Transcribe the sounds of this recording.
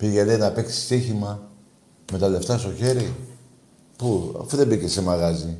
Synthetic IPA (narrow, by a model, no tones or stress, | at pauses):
piʝe̞lenɐpe̞ksi̥st̪içimɐ | me̞t̪ɐle̞ft̪ɐst̪o̞çe̞ɾi | pua̰fuðe̞bicese̞mɐɣɐzi